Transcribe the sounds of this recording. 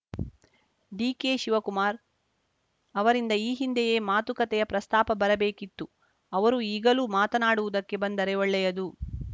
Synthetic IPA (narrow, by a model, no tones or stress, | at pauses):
ɖiːkeːʃiʋɐkumaːɾ | ɐʋɐɾind̪ɐiːɦind̪ɛjeːmaːt̪ukɐt̪ɛjɐpɾɐst̪aːpɐbɐɾɐbe̞ːkit̪ːu | ɐʋɐɾuiːɡɐluːmaːt̪ɐnaːɽuʋud̪ɐkːe̞bɐnd̪ɐɾɛɐɭːɛjɐd̪u